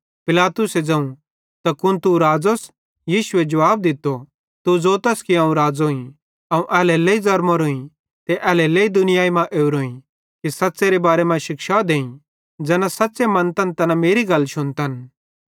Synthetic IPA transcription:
pɪlaːt̪ʊsed͡zɐ̃ũ | t̪akʊnt̪uɾaːd͡zos | jiːʃʊed͡ʒɐʋaːb̚d̪ɪt̪ːo | t̪ud͡zoːt̪ɐskiɐ̃ːũɾaːd͡zoːĩ | ɐũʔɛːlɛleizɐɾmoɾoːĩ | t̪eʔɛːlɛleid̪ʊnɪjaːimãʔeːuɾoːĩ | kisɐtːseɾebaːɾemãʃɪkʃad̪eːĩ | d͡zɛːnãsɐtːsemɐ̃nt̪ɐnt̪ɐnameːɾiɡɐlʃʊnt̪ɐn

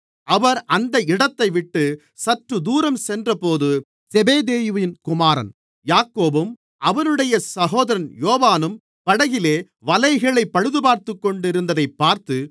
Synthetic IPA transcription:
ʔɐʋɐɾɐnd̪ɐɪɽɐt̪ːɐɪʋɪʈːɯ | sɐʈrɯd̪uːɾɐmsɛndrɐpoːðɯ | sɛbeːðeːjɯʋjɪnkʊmaːɾɐ̰n | jaːkːoːbɯm | ʔɐʋɐnɯɽɐjɐsɐɣoːðɐɾɐnjoːʋaːnɯm | pɐɽɐɣɪleː | ʋɐlɐɪɣɐɭɐɪpːɐɻɯðɯbaːɾt̪ɯkːɔɳɖɪɾɯnd̪ɐðɐɪpːaːɾt̪ɯ

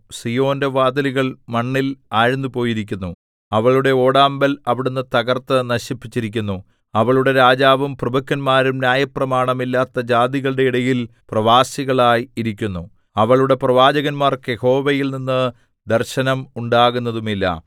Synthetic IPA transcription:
sijo̞ːnde̞ʋaːd̪ɐliɣɐɭmɐɳːilaːɻnːupo̞ːjiɾikʲːunːu | ɐʋɐɭuɽe̞o̞ːɽaːmbɐlɐʋiɽunːɨt̪ɐɣɐrt̪ːɨnɐɕipːit͡ɕːiɾikʲːunːu | ɐʋɐɭuɽe̞ɾaːd͡ʑaːʋumprɐbɐkːɐnmaːɾumnjaːjɐprɐmaːɳɐmilːaːt̪ːɐd͡ʑaːd̪iɣɐɭɨɽe̞iɽɐjilprɐʋaːsiɣɐɭaːjiɾikʲːunːu | ɐʋɐɭuɽe̞prɐʋaːd͡ʑɐɣɐnmaːrke̞ho̞ːʋejilninːɨ | d̪ɐrɕɐnɐmuɳɖaːɣunːɐðumilːɐ̰

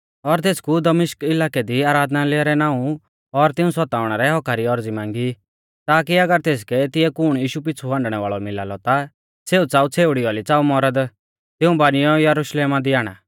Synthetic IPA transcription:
ɔɾt̪eːskud̪ɐmɪʃkɪlaːked̪iaːɾaːd̪nalɪaɾɛnãːũ | ɔɾt̪ɪũsɔt̪aːʊɽ̃aɾɛɦɔkʰaɾiɔɾd͡zimãːŋɡi | t̪aːk̬iɐɡəɾt̪eːs̬kɛt̪ɪɛkʊɽ̃jiːʃup̬ɪt͡sʰuʋãɳɖɽ̃ɛʋaːɭɔmɪla̰lɔt̪a | seːut͡saːut͡sʰeːʊɽiɔlit͡saːumɔɾəd̪ | t̪ɪũbañɪjɔjɐɾuʃleːmad̪iaːɽ̃a̰ː

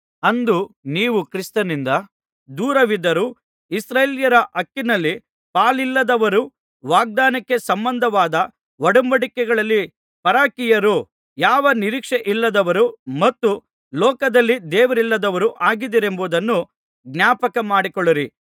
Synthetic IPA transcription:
ɐnd̪uniːʋukɾist̪ɐnind̪ɐ | d̪uːɾɐʋid̪ɐɾu | isɾeːljɐɾɐʔɐkːinɐlːi | paːlilːɐd̪ɐʋɐɾu | ʋaːɡ̚d̪aːnɐkːe̞sɐmbɐnd̪ʱɐʋaːd̪ɐ | ʋɐɽumbɐɽikɛɡɐɭɐlːi | pɐɾaːkijɐɾu | jaːʋɐniɾiːkʂeʔilːɐd̪ɐʋɐɾumɐt̪ːu | lɔːkɐd̪ɐlːid̪ɛːʋɐɾilːɐd̪ɐʋɐɾuʔaːɡid̪iɾe̞mbud̪ɐnːu | ɡnʲjaːpɐkɐmaːɽikɔɭːiɾi

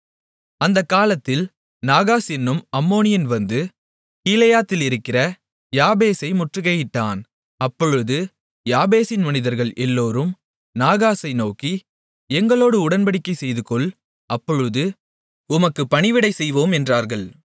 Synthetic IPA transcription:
ɐnd̪ɐkːaːlɐt̪ːɪl | naːɣaːsɛnːɯmɐmːoːnɪjɐnʋɐnd̪ɯ | kiːlɐjaːt̪ːɪlɪɾɯkːɪrɐ | jaːbeːsɐɪmʊʈrɯɣɐjɪʈːaːn | ɐpːɔɻɯðɯ | jaːbeːsɪnmɐnɪðɐɾɣɐɭʔɛlːoːɾɯm | naːɣaːsɐɪnoːki | ɛŋɡɐɭoːɽɯʊɽɐnpɐɽɪkːɐɪsɛjðɯkɔɭ | ʔɐpːɔɻɯðɯ | ʊmɐkːɯpɐɳɪʋɪɽɐɪsɛjʋoːmɛndraːɾɣɐɭ

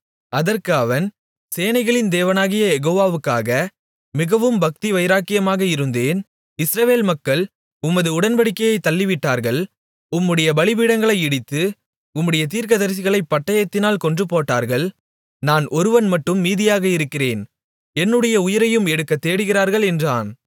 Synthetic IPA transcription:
ɐðɐrkɯɐʋɐn | seːnɐɪɣɐɭɪnd̪eːʋɐnaːɣɪjɐjɛɣoːʋaːʋɯkːa̰ːɣɐ | mɪɣɐʋɯmbɐk̚t̪iʋɐɪɾaːkːɪjɐmaːɣɐɪɾɯnd̪eːn | ɪsɾɐʋeːlmɐkːɐɭ | ʊmːɐðɯʊɽɐnbɐɽɪkːɐjɐɪt̪ːɐlːɪʋɪʈːaːɾɣɐɭ | ʊmːɯɽɐjɐbɐɭɪbiːɽɐŋɡɐɭɐɪɪɽɪt̪ːɯ | ʊmːɯɽɐjɐt̪iːɾkɐðɐɾs̬ɪɣɐɭɐɪpːɐʈːɐjɐt̪ːɪnaːlkɔɳdrɯpːoːʈːa̰ːɾɣɐɭ | naːnʔɔɾɯʋɐnmɐʈːɯmːiːðɪjaːɣɐɪɾɯkːɪreːn | ɛnːɯɽɐjɐʊjɪɾɐjɯmɛɽɯkːɐt̪ːeːɽɯɣɪɾaːɾɣɐɭɛndra̰ːn

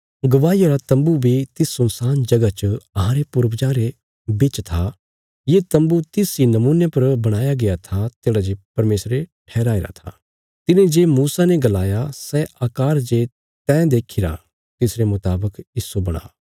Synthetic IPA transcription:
ɡɐʋaːijaɾat̪ɐ̃mbubʱit̪ɪsːʊnsaːnd͡ʒɐɡat͡ʃəɐɦãːɾepʊɾʋd͡ʒãːɾe | bɪt͡ʃt̪ʰa | jet̪ɐ̃mbut̪ɪsinɐmuːnepɐɾbɐɽ̃aːjaɡɪjat̪ʰat̪eːɽad͡ʒepɐɾmeːsɾeʈʰɛːɾaːeːɾa̰t̪ʰa̰ː | t̪ɪnẽd͡ʒeːmuːsaneɡɐlaːjasɛʔaːkaːɾd͡ʒe | t̪ɛ̃ːd̪eːkʰiɾa̰ | t̪ɪsɾemʊt̪aːbəkɪsobɐɽ̃a̰ː

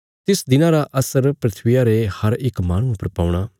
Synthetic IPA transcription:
t̪ɪsd̪ɪnãɾaʔɐsəɾpɾɪt̪ʰʋɪjaɾehɐɾɪkmaːɽ̃ũʊpəɾpaːuɽ̃aː

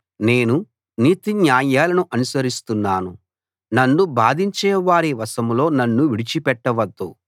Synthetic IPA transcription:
ne̞ːnu | niːt̪injaːjaːlɐnuʔɐnusɐɾist̪unːaːnu | nɐnːubaːd̪iɲt͡ʃɛːʋaːɾiʋɐsɐmlo̞ːnɐnːuʋiɽit͡ʃipɛʈːɐʋɐd̪ːu

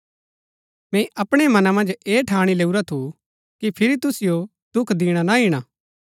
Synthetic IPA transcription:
mɛ̃ʔɐpɽ̃emɐnamɐ̃nd͡ʒeːʈʰaːɽ̃ileːuɾat̪ʰu | kipʰɪɾit̪ʊsɪjo | d̪ʊkʰd̪iːɽ̃anaɦiɽ̃aː

